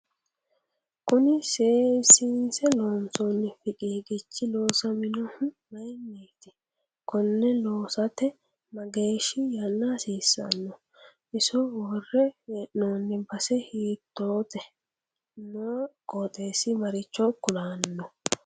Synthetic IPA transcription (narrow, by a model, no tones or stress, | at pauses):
kʊnɪseːsɪnsɛloːnsonːɪfɪkʼiːɡɪt͡ʃːɪloːsɐmɪnɔmɐjnːeːt̪ɪ̥ | kʊnːɛloːsɐt̪ɛ | mɐɡe̞ːʃɪjɐnːasiːsːɐ̰nːɔ | ʔɪsɔwɔrːɛʔnoːnːɪbɐsɛhiːt̪ːoːt̪ʼɛ | noːkʼoːt̪ʼe̞ːsɪmɐɾɪt͡ʃːɔkːʊd̪aːnːɔ